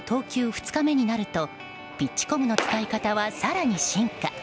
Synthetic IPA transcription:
t̪ʰo̞ːkʲɨːɸɯ̟̥t͡sɨ̥kame̞ɲ̟inaɾɯ̟t̪o̞ | b̥ʲit͡ɕːi̥ko̞mɯ̟no̞t͡sɨ̥kaikat̪aβasaɾaɲ̟iɕĩŋka

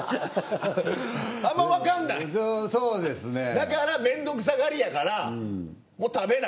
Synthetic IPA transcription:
ãmːaβakãnːaisoːsoːd̪esɨned̪akaɾamẽ̞nd̪o̞k̬ɯ̟s̬aɡaɾʲijakaɾa | moːt̪abe̞na

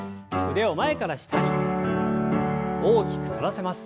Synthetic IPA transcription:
kɯ̟d̪e̞o̞mae̞kaɾaɕi̥t̪ʰaɾʲi | oːkʲi̥kɯ̟̥so̞ɾase̞masɨ̥

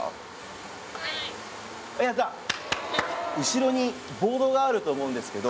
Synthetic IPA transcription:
jaza | ɯ̟ɕiɾo̞ɲ̟i | bo̞ːd̪o̞ɡaaɾɯ̟t̪o̞ːmo̞ɯ̃nd̪e̞sɨ̥ke̞d̪o

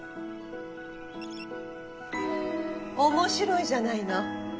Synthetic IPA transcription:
omoɕiɾo̞iʑanaino

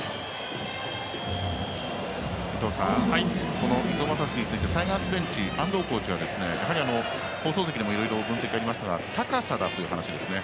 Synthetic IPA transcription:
it̪o̞ːsãhaiko̞no̞id̪oːmas̬aɕɲit͡sɨit̪e̞t̪aiɡãsɨbẽ̞ɲ̟t͡ɕiʔãnd̪o̞ːko̞ːt͡ɕiβad̪e̞sɨne̞jaɦaɾʲiano̞ | hoːsoːs̬e̞kʲid̪e̞mo̞iɾo̞iɾo̞bɯ̟̃se̞kʲikaɾʲimaɕi̥t̪aɡa̰t̪akasad̪at̪o̞jɯ̟ɦanaɕid̪e̞sɨne̞

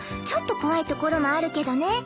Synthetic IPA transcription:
t͡ɕo̞t̪ːo̞ko̞βait̪o̞ko̞ɾo̞mo̞aɾɯ̟ke̞d̪o̞ne̞

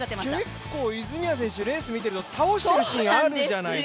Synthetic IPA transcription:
kekːo̞ːizɨmʲias̬ẽ̞ɰ̃ɕɨɾe̞ːsɨmʲit̪e̞ɾɯ̟t̪o̞t̪ʰao̞ɕi̥t̪eɾɯ̟ɕiiɡaaɾɯ̟d͡ʑanai

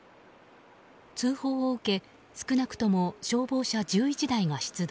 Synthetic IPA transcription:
t͡sɨːho̞ːoɯ̟ke̞ | sɨ̥kɯ̟nakɯ̟̥t̪o̞mo̞ɕo̞ːbo̞ːɕad͡ʑɨːit͡ɕid̪aiɡaɕi̥t͡sɨd̪

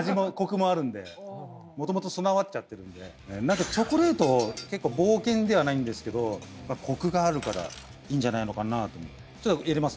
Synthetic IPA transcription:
aʑimo̞ko̞kɯ̟mo̞aɾɯ̟̃nd̪e̞̰ | mo̞t̪o̞mo̞t̪o̞so̞naβat̪t͡ɕat̪ːe̞ɾɯ̟̃nd̪e̞ | enãŋkat͡ɕo̞koɾe̞ːt̪o̞ke̞kːo̞ːbo̞ːkẽ̞nd̪e̞βanaĩnd̪e̞sɨ̥ke̞d̪o̞maːkʰo̞kɯ̟ɡaːɾɯ̟kaɾa̰ | iːɲ̟d͡ʑanaino̞kanaːt̪o̞mo | t͡ɕo̞t̪ːojaɾemasɨ

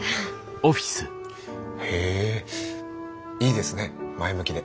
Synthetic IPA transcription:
oɸʲi̥sɨ | he | iːd̪e̞sɨne̞maemɯ̟kʲid̪e̞

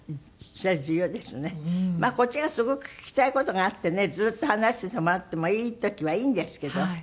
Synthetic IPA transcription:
sad͡ʑɨːjoːd̪e̞sɨne̞maːko̞t͡ɕiɡasɨɡo̞kɯ̟̥kʲi̥t̪aiko̞t̪o̞ɡaːt̪ːe̞ne̞d͡zɨːt̪ːohanaɕi̥t̪et̪omoat̪ːe̞mo̞iːt̪o̞kʲiβaiːnd̪e̞sɨ̥ke̞d̪o̞

